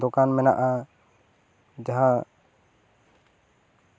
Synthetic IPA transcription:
d̪ɔkanmɛna̰ʔa | d͡ʒaɦã

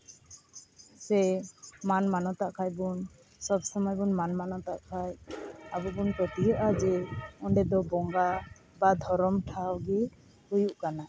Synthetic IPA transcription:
sɛmanmanɔt̪aʔkʰajbun | sɔbsɔmɔjbunmanmanɔt̪aʔkʰajabɔbunpɾɔt̪ijɔʔad͡ʒɛɔɳɖɛd̪ɔbɔŋɡa | bad̪ʱɔɾɔmʈʰawɡi | hujuʔkana

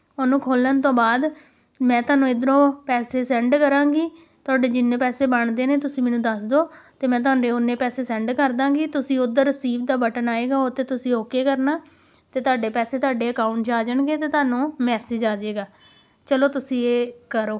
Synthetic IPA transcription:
onũːkʰoːlənt̪õːbaːd̪ | mɛ̃ːt̪oʊaːnũːɪd̪ɾõːpɛːseːsɛ̃ːɳɖkəɾãːɡiː | t̪ʊaːɖeːd͡ʒɪnːẽːpɛːseːbəɳd̪eːneːt̪ʊsĩːmɛ̃ːnũːd̪əsd̪oːt̪eːmɛ̃ːt̪ʊaːɖẽːʊnːẽːpɛːseːsɛ̃ːɳɖkəɾd̪ãːŋɡiːt̪ʊsĩːʊd̪əɾəsiːbd̪aːbəʈənaːeːɡaːot̪eːt̪ʊsĩːoːkeːkəɾnaː | t̪eːt̪ʊaːɖeːpɛːseːt̪ʊaːɖeːəkaːʊɳʈd͡ʒaːd͡ʒəɳɡeːt̪eːt̪ʊaːnũːmɛːsed͡ʒaːd͡ʒeːɡaː | t͡ʃəloːt̪ʊsĩːeːkəɾoː

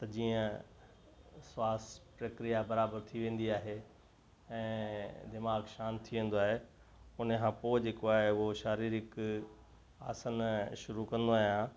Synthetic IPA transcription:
t̪ɐd͡ʑiːə̃ | swaːspɾɐkɾijabɐɾaːbəɾt̪ʰiʋẽːn̆d̪iaːɦe | ɛ̃ːd̪ɪmaːɡʃaːnt̪ʰiʋẽːn̆d̪oaːɦe | ʊnəkʰãːpoːɪd͡ʑeːkoaːɦeʊɦoʃaːɾiːɾɪk | a̰ːsənʃʊɾukɐ̃nd̪oaːɦjãː

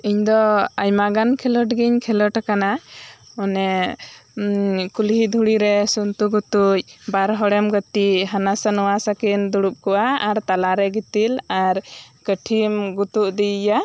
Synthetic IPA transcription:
iɲd̪ɔajmaɡankʰɛlɔʈɡiɲkʰɛlɔʈakanaɔnɛ | kulɦid̪ʱuɽiɾɛsunt̪uɡut̪uc̚baɾɦɔɽɛmɡət̪iɦanasanɔwasakind̪uɽup̚kɔʔaːɾt̪alaɾɛɡit̪ilaɾɡəʈʰimɡut̪uʔd̪ija

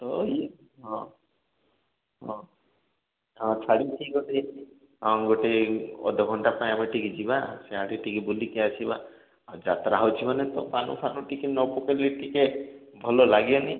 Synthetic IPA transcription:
t̪ɔi | ɦɔ̃ | ɦɔ̃ | ɦɔ̃t͡ʃʰaɽitʰiɡoʈe | ɦɔ̃ɡoʈeɔ̰d̪ʱɔɡʱɔɳʈapaĩameʈikid͡ʒibaseaɽiʈikibulikeasʰiba | awd͡ʒat̪ɾaɦɔwt͡ʃʰimanet̪ɔpanṵpʰanuʈikenɔpokeliʈike | bʱɔlolaɡiɔni

